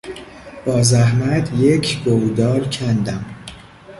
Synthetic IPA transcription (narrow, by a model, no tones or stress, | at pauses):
b̥ɒːzæhmæt̪ʰjecʰɡowd̪ɒːlcʰænd̪æm